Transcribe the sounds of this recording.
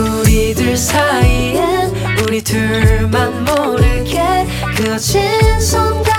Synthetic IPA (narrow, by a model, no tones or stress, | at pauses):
uɾidɯɭsʰaiɯn | uɾitɯ | manmoɾɯɡe | kɯʌt͡ɕʰisʰʌnda